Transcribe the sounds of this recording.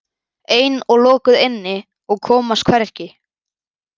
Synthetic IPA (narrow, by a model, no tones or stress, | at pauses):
eːjnɔɣlɔːkʏðɪnːɪ | ɔɣkʰɔːmast̪kʰvɛɾ̥cɪ